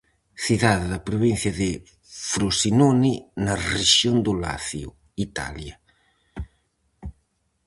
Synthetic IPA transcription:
θiðaððɐpɾoβin̟θjɐðɪ | fɾosinoninɐreʃjond̪ola̰θjʊ̰ | it̪a̰ljɐ

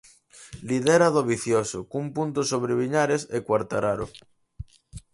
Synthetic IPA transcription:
liðeɾaðoβiθjosokumpunt̪osoβ̞ɾeβ̞iɲaɾesekwaɾt̪aɾaɾo

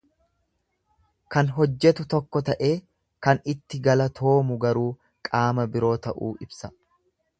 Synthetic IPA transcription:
kɐnɦɔd͡ʒːɛt̪ʊt̪ɔkːɔt̪ɐʔe̞ː | kɐnɪt̪ːɪɡɐlɐt̪ʰo̞ːmʊɡɐɾuː | kʼaːmɐbɪɾo̞ːt̪ɐʔuːʔɪbsɐ

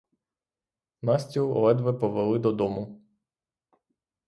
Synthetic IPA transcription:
nasʲtʲiɔ̰lɛd̪ʋɛpɔʋelˠɪd̪ɔd̪ɔmʊ

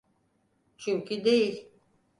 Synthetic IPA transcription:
t͡ʃʰyɲcʰid̪ejilʲ

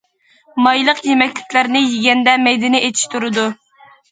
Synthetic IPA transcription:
mɑjlˠəqjemɛkʲlɪkʲlæɾnɪjiɡʲɛnd̪ɛmɛjd̪ɪnɪʔet̪ʰi̥ʃt̪uɾɨd̪u

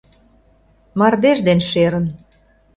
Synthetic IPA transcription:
mɑrd̪eʒd̪enʃeɾə̆n

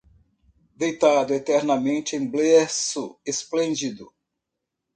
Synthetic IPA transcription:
d̪ejt̪ad̪ʊet̪ɛɾnɐmẽnt͡ʃɪẽj̃blesʊesplẽnd͡ʒid̪ʊ

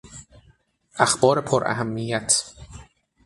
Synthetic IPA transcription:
ʔæxbɒːɾepʰoɾʔæ̰ɦæmːijæt̪ʰ

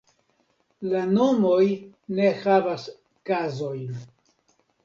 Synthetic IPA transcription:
lano̞mo̞jne̞havas | kazo̞jn

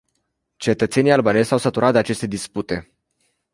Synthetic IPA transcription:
t͡ʃe̞t̪ət̪se̞nijalbane̞zʲsawsət̪uɾat̪d̪eat͡ʃe̞st̪e̞d̪isput̪e̞

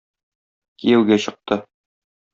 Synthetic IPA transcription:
kijæwɡæɕɤ̆q̚t̪ɤ

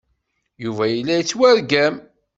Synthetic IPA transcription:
juvæjəlːæjət͡sːwæɾɡæm

